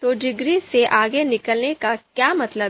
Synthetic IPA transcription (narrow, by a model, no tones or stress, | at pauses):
t̪oɖɪɡɾiseʔaːɡenɪkəlnekakjaːmɐt̪ləb